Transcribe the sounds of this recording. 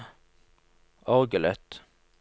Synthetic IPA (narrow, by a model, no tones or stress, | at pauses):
ɔʁɡəlœt̪